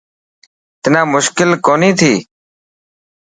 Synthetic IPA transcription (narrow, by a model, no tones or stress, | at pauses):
t̪ɪnãːmʊʃkɪlkoːniːt̪ʰiː